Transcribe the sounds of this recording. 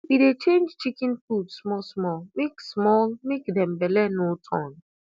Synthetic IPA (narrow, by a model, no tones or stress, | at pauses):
bidet͡ʃẽnd͡ʒt͡ʃikɪnfudsmɔlsmɔlmeksmɔlmekdɛ̃m̩belɛnotʰɔ̃n